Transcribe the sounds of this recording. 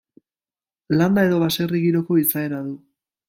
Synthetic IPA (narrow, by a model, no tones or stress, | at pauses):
land̪ae̞ðo̞βase̞riɣiɾo̞ko̞isae̞naðu